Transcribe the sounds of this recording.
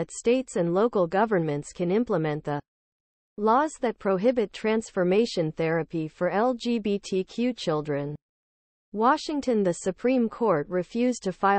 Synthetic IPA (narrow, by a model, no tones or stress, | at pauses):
ɨtsteɪtsɨ̃nloʊkl̩ˠɡʌvə̃˞nmɨ̃ntskʰɨ̃nɪ̃mpləmɛ̃nðə | lɔzðɨt̚pʰɹ̥oʊɦɪbɨtʰɹ̥æ̃nsfə˞meɪʃɨ̃nθɛɹɨpifə˞ɛlˠd͡ʒibitʰikʰj̥ʉt͡ʃʰɪlˠdɹɨ̃n | wɑʃɪ̃ŋtʰɨ̃nðɨsɨpʰɹ̥ĩmkʰɔɹt̚ɹɨfjʉztʰɨfaɪ